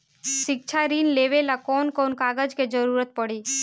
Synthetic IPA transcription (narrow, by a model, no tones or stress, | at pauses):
ʃɪk̚t͡ʃʰaɾiːnleʋelakɔːnkɔːnkaːɡəd͡ʒked͡ʒəɾuːɾət̪̚pəɽiː